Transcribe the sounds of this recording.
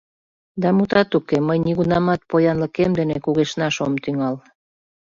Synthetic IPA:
d̪ɑmut̪ɑt̪ukeməjniɣunɑmɑt̪̚pojɑnlə̆kemd̪enekuɣeʃnɑʃomt̪yŋɑl

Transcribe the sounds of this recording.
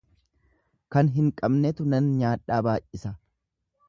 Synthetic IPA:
kɐnɦɪŋkʼɐbnɛt̪ʊnɐnɲaːᶑaːbaːjʔʔɪsɐ

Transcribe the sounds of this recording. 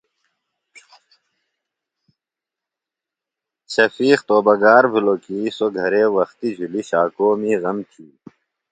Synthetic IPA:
ɕɐfiːxt̪oːbɐɡaːɾbʱuloːkisoɡʱɐɾeːwɐxt̪id͡ʑʱuliɕaːkoːmiːɣɐmt͡ɕʰiː

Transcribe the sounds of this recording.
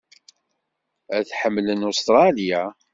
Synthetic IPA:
æθħəmːlənost̪ɾˤɑlija

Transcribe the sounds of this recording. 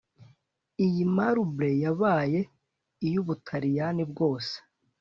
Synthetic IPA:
ijimaɾubɾe̞jaβaːje̞ | ijuβutʰaɾijanib̚ɡo̞ːse̥

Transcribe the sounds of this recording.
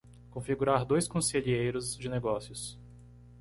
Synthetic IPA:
kõfiɡuɾaɾd̪ojskõseʎiejɾʊzd͡ʒɪneɡɔsjʊs

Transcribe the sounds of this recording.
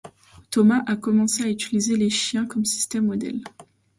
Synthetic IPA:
t̪ɔmaʔakɔmɑ̃seayt̪ilizeleʃjɛ̃kɔmsi̥st̪ɛmːɔd̪ɛ̰l

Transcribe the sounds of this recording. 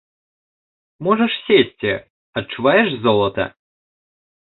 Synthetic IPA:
mɔʐɛʂsʲesʲtʲɪ | ɐt̚t͡ʃʊvajɛʂzɔlˠɐt̪ɐ̰

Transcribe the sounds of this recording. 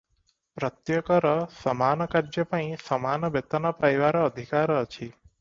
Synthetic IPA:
pɾɔt̪jɔkɔɾɔsɔmanɔkaɾd͡ʒjɔpaĩsɔmanɔbet̪ɔnɔpajʋaɾɔːd̪ʱikaɾɔːt͡ʃʰi

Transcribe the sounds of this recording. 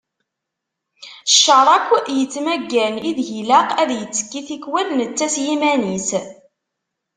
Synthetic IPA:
ʃːəɾˤɑkʷːjət͡sːmæɡːæniðʝilæqæðjət͡sːə̥kːiθikwælnət͡sːæsjimænis

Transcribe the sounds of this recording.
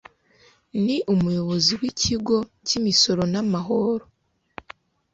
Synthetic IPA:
niʔumujoβo̞ziwicʰiɡo̞cimiso̞ɾo̞namaɦoɾo

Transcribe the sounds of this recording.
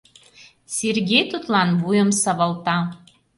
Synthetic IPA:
sʲirʲɡʲejt̪ut̪lˠɑnbujomsɐʋɐlˠt̪ɑ

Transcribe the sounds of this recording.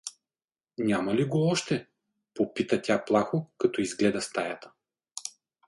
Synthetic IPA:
nʲamɐliɡoɔʃt̪ɛ | popit̪ɐt̪ʲaplˠaxokɐt̪ɔizɡlɛd̪ɐst̪ajat̪ə̥

